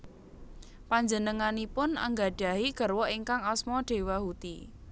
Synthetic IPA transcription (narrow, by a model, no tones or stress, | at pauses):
paɲd͡ʒənəŋanipʊnə̰ŋɡaɖ̥a̤ɦiɡ̥ə̤rwɔʔiŋkaŋɔsmɔɖ̥e̤wahut̪i